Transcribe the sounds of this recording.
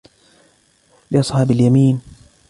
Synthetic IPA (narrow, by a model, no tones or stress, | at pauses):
lɪʔɑsˤħɑːbaljamiːn